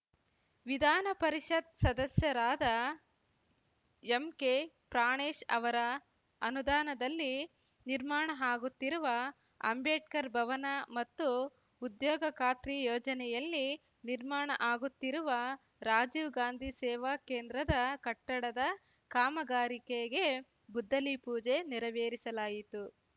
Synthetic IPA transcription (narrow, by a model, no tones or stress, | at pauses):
ʋid̪ʱaːnɐpɐɾiʂɐt̪sɐd̪ɐsjɐɾaːd̪ɐ | emke | pɾaːɳeːʂɐ̰ʋɐɾɐ | ɐnud̪aːnɐd̪ɐlːi | niɾmaːɳɐɦaːɡut̪ːiɾuʋɐ | ɐ̰mbeːʈ̚kɐɾbʱɐʋɐnɐmɐt̪ːuː | d̪jɔːɡɐkaːt̪ɾijoːd͡ʒɐnɛjɐlːi | niɾmaːɳɐʔaːɡut̪ːiɾuʋɐ | ɾaːd͡ʒiːʋɡaːnd̪ʱisɛːʋaːkeːnd̪ɾɐd̪ɐkɐʈːɐɽɐd̪ɐ | kaːmɐɡaːɾikeɡe̞ | ɡud̪ʱːɐlipuːd͡ʒeniɾɐʋeːɾisɐlaːjit̪u